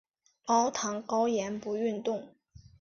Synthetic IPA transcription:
kɑ˥ʊt̪ʰɑ˧˥ŋkɑ˥ʊjɛ˧˥npu˧˥y˥˧nt̪ʊ˥˩ŋ

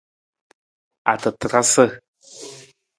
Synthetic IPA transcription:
a̰˨tə˨tɨ˨ɾa˦sə˦

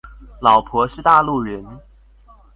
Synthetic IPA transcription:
lɑ˨˩ʊpʰwɔ˧˥ʂɻ̩˥˧t̪a˥˧lu˥˩ɥə˧˥n

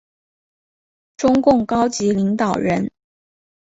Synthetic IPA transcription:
ʈ͡ʂʊ˥ŋkʊ˥˩ŋkɑ˥ʊt͡ɕi˧˥li˧˥ŋt̪ɑ˨˩ʊɻə˧˥n

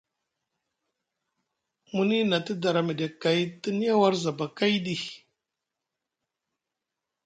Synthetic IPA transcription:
mu˦ni˦na˨ti˦da˨ɾa˨mi˨de˨ka˨i˦ti˦ni˦ja˦wa˦ɾza˨ba˨ka˦jdi˦

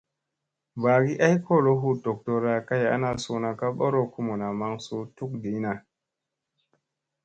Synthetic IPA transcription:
ba˨ɡi˦ʔa˦jko˦˨lo˦ɦu˦to˨k̚to˨ɾa˨ka˦ja̰˦na˦su˦na˨ka˦ɓo˦ɾo˦ku˦mo˨na˨ma˦ŋsu˦tu˦k̚di˨˦na˨

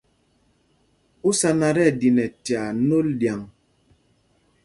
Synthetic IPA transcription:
u˦sa˦na˨ɾɛ˦˨di˨nɛ˨tja˨˦no˦ldja˨ŋ

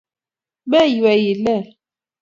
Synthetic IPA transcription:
mɛ˦jwɛ˨ji˨lɛ˦˨

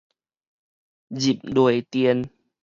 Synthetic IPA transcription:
zi˨˩p̚du˨˩əjt̪i˧ən

